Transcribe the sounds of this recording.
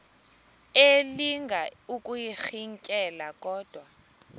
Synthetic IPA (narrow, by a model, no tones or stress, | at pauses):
eliŋɡʱaukʼujixiŋkʼɛlakʼɔːd̥ʱwa